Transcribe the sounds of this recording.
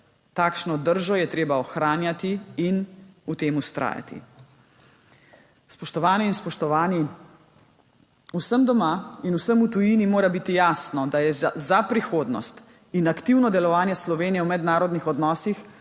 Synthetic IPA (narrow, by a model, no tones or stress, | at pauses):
t̪aːkʃnɔd̪əɾʒɔjɛt̪ɾeːbaɔxɾaːnjat̪iinut̪eːmust̪ɾʔa̰ːja̰t̪ḭ | spɔʃt̪ɔʋaːnɛinspɔʃt̪ɔani | usəmd̪ɔmainusəmut̪ujinimoːɾabit̪ijaːsnɔd̪ajɛzapɾixoːd̪nɔ̰st̪ | inakt̪iwnɔd̪ɛlɔʋaːnjɛslɔʋeːnijɛwmɛd̪naːɾɔd̪nixɔd̪nɔːsix